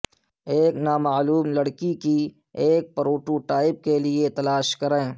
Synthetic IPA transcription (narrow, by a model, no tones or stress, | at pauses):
eːknaːmaːluːmlɐɽkiki | eːk̚pɐɾoːʈuʈaːɪb̚keliet̪ɐlaːʃkɐɾẽː